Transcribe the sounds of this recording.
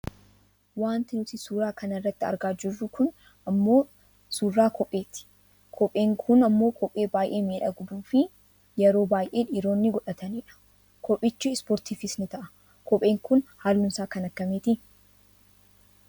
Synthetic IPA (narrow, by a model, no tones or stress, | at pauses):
waːnt̪ɪnʊt̪ɪsuːɾaːkɐnɐrːɐt̪ːɪɐ̰ɾɡaːd͡ʒɪrːʊkʊn | ɐmːo̞ː | suːrːaːkʰɔpʼːe̞ːt̪ɪ̥ | kʰɔpʼeːŋkʰʊnɐmːo̞ːkʰɔpʼːe̞ːbaːjʔe̞ːmeːᶑɐɡʊd̪uːfɪ | jɛɾo̞ːbaːjʔe̞ːᶑɪːɾo̞ːnːɪɡɔᶑɐt̪ɐniːᶑɐ̥ | kʰɔpʼːɪt͡ʃːuɪspɔːɾt̪iːfɪsnɪt̪ɐʔɐ̥ | kɔpʼe̞ːŋkʊnhaːlːʊnsaːkɐnɐkːɐmeːt̪ɪ